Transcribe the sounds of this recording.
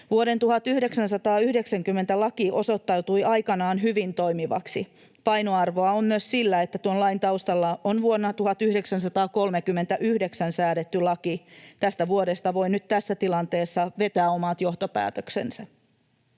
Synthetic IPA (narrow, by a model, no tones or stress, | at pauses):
ʋuoɾe̞nt̪uhɑt̪yhde̞ksænsɑt̪ɑːyhde̞ksæŋkymːe̞nt̪ælɑkiʔo̞so̞t̪ːɑwt̪ujʔɑjkɑnɑːnɦyʋint̪o̞imiʋɑ̰ksi | pɑjnoɑrʋo̞ɑomːyøssilːæet̪ːæt̪uonlɑjnt̪ɑwst̪ɑlːɑonʋuonːɑt̪uhɑt̪yhdeksænsɑt̪ɑːko̞lmekymːe̞nt̪æʔyhde̞ksænsæːɾet̪ːylɑkit̪æst̪æʋuoɾe̞st̪ɑʋo̞jnyt̪t̪æsːæt̪ilɑnt̪e̞ːsːɑʋe̞t̪æːo̞mɑt̪jo̞ht̪opæ̰ːt̪øksḛnsɑ